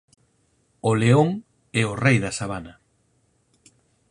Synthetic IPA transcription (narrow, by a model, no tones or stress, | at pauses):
oleoŋ | ɛorejðɐsaβ̞ana